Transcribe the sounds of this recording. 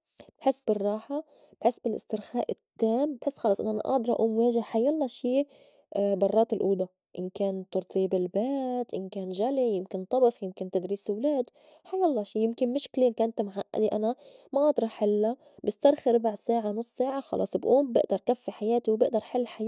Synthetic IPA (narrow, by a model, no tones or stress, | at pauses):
b̥ħɪsːbɪrˤːɑːħa | b̥ħɪsːbɪlʔɪ̰st̪ɪɾxaːʔɪt̪ːaːmbħɪsːxɑlɑsˤʔɪ̰nːʔana̰ʔɑ̰ʕd̪ɑɾˤʔa̰ʔuːmweːʒɪhħajɑlˤːɑʃiː | bɑrˤːɑːt̪ɪlʔuːd̪a | ʔɪnkaːnt̪ɑɾˤt̪ʰˤiːbɪlbaːt̪ʔɪnkaːnʒalijɪmkɪnt̪ˤɑbɪfjɪmkɪnt̪ad̪ɾiːsɪwlaːd̪ | ħajːɑlˤːɑːʃiːjɪmkɪnmʊʃklekaːnt̪mʕaʔːa̰d̪iʔanamaʔɑd̪ɾˤɑħɪlːa | bɪst̪ɑɾˤxiɾˤɪbaʕsaːʕanʊsˤːsaːʕaxɑ̰lʔɑ̰ːsˤbʔuːmbɪ̰ʔd̪ɑɾˤʔkafːiħajaːt̪iwbɪʔd̪ɑɾˤħɪlːħaj